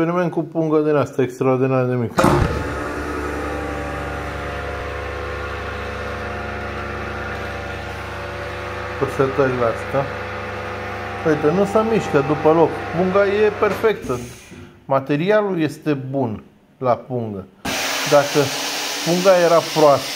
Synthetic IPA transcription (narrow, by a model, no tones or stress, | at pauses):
eɾimenkupuŋɡəd̪inast̪aekst̪ɾaord̪inaɾd̪emik | pəset̪əɾileast̪a | oit̪ənusəmiʃkəd̪upəlo̞kpuŋɡaje̞pe̞rfe̞kt̪ə | mat̪e̞ɾialuje̞st̪e̞bun | lapuŋɡəd̪akəpuŋɡaje̞ɾapɾoas